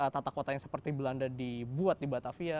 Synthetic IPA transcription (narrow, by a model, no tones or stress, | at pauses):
ət̪at̪akot̪ajaŋsə̥pərt̪ibəlandadibuat̪̚dibat̪afia